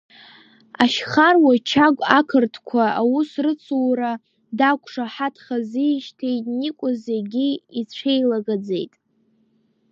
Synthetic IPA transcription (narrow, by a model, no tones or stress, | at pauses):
aʃχarwat͡ʃʰaɡʷʼakʰɨrtʰkʷʰaawusrɨt͡sʰuwra | dakʷʰʂaħatʰχaziʃtʰe̞jtʼnikʷʼʊzeɡʲiit͡ɕʷʰejlaɡad͡ze̞jtʼ